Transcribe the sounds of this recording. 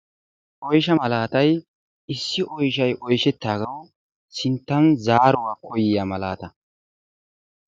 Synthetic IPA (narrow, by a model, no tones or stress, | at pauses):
ʔɔjʃɐmɐlaːt̪ɐj | ɪsːɪʔɔjʃɐjʔɔjʃɛt̪ːaːɡɐw | sɪnt̪ːɐnzaːɾʊwaːkʰɔjɪjɐmɐla̰ːt̪ɐ